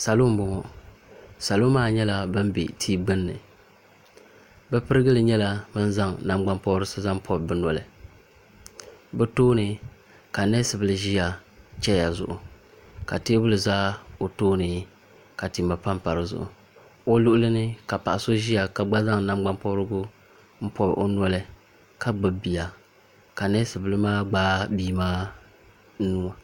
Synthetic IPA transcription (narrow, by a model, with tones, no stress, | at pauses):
sa˨lo˦m˦bɔ˨ŋɔ˨ | sa˨lo˦maː˦˨ɲɛ˦la˦bɨ˦mbḛ˨tʰiː˦ɡ͡bɨ˦nːɨ̰˨ | bɛ˦pɨ˦ɾɨ˦ɡɨ˦lɨ˨ɲɛ˦la˦bɨ˦nza˦ŋna˦mɡ͡ba˦mpɔ˦ɾɨ˦sɨ˦za˦ŋpʰɔ˦bbɨ˦nɔ˨lɨ˨ | bɛ˦toː˦nɨ˨ | ka˨nɛ˦sɨ˨bɨ˨lɨ˨ʒi˦ja˨t͡ʃɛ˦ja˨zʊ̰˨ʔʊ˨ | ka˨te˦bʊ˦lɨ˨zaː˦o˨toː˦nɨ˨ | ka˨ti˨ma˨pa˦mpa˨ɾɨ˨zʊ̰˨ʔʊ̰˨ | o˦lʊ˦ʔʊ˦lɨ˦nɨ˦ka˨pa̰˨ʔa˨so˦ʒi˦ja˨ka˨ɡ͡ba˦za˦ŋ˨na˦m˦ɡ͡ba˦mpɔ˦ɾɨ˦ɡʊ˦ | m̩˦pʰɔ˦bʔo˦nɔ˦lɨ˨ | ka˦ɡ͡bɨ˨bi˨a˨ | ka˨nɛ˦sɨ˨bɨ˨lɨ˦maː˦ɡ͡baː˦biː˦maː˦ | nu˦a˨